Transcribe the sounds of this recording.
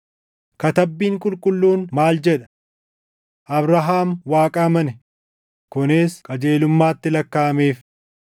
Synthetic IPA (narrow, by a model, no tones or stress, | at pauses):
kɐt̪ɐbːiːŋkʼʊlkʼʊlːuːnmaːld͡ʒɛᶑɐ̥ | ʔɐbɾɐɦaːmwaːkʼɐmɐnɛ | kʊneːskʼɐd͡ʒeːlʊmːaːt̪ːɪlɐkːaːɐmeːf